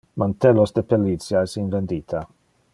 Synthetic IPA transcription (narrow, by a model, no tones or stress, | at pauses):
mant̪ɛlosd̪epelitt͡sjaesinvend̪iːt̪ʰa